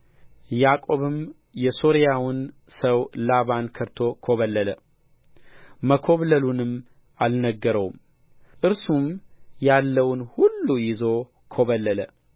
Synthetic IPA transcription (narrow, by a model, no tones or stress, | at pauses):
jakʼo̞βɨm | jɛsoɾijawɨn | səwlaβankʰəɾt̪ʰo̞kʰo̞βəlːələ | məkʰo̞βləlunɨm | ʔalnəɡːəɾəwm | ʔɨɾsumjalːəwnhulːujɪzo̞ | kʰo̞βəlːələ